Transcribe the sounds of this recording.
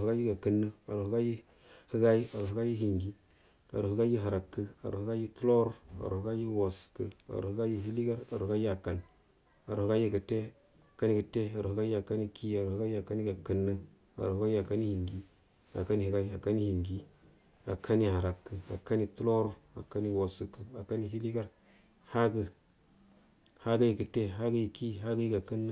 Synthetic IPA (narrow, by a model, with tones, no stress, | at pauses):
hɡa˦ji˦ɡa˨kə˦nːə˦a˨ɾu˨hɡa˦ji˦ | hɨ˦ɡa˦i˦a˨ɾu˨hɨ˦ɡa˦ji˦hi˨ŋɡi˦ | a̰˨ɾu˨hu˦ɡa˦ji˦ɦa˨ɾa˨kːə˦a̰˨ɾu˨hu˦ɡa˦ji˦tu˦lo˦ɾa̰˨ɾṵ˨hɡa˦ji˦wo˨skə˦a̰˨ɾu˨hɡa˦ji˦ɦi˦li˦ɡa˦ɾa˨ɾu˨˦ɡa˦ji˦a˨ka˨n | a˨ɾu˨hɨ˦ɡa˦ji˦ɡə˨te˦ | a˨ka˦ni˦ɡə˨te˦a˨ɾu˨hu˦ɡa˦ji˦a˨ka˦ni˦ki˦a˨ɾu˨hɡa˦ji˦a˨ka˦ni˦ɡa˨kə˦nːə˦ | a̰˨ɾu˨˦ɡa˦ja˨ka˦ni˦hi˨ŋɡi˦ | a̰˨ka˦ni˦hi˨ɡa˦i˦a˨ka˦ni˦hi˨ŋɡi˦ | a˨kʰa˦ni˦ha˨ɾa˨kːə˨a̰˨ka˦ni˦tu˦lo˦ɾo˦a̰˨ka˦ni˦wo˨su˨kːə˨a˨ka˦ni˦ɦi˦li˦ɡa˦ɾ | ha˦ɡə˨ | ha˦da˦ji˨kə˨te˦ɦa˦ɡə˦ji˨ki˦ɦa˦ɡə˦ji˦ɡa˨kə˦nːa˦